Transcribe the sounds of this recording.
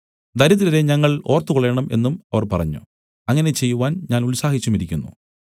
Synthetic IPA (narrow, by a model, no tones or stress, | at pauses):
d̪ʱɐɾɐðilɐɾe̞ɲɐŋːɐɭo̞ːrt̪ːukoɭeːɳɐme̞̰nːumɐʋɐrpɐrɐ̰ɲːṵ | ɐŋːɐne̞t͡ɕe̞jːuʋaːnɲaːnulsaːɦit͡ɕːumiɾikʲːunːṵ